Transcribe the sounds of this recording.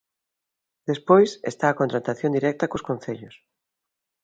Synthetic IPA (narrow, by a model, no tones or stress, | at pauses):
d̪espojsest̪aːkont̪ɾat̪aθjõnd̪iɾɛk̚t̪ɐkoskõn̟θeʎʊs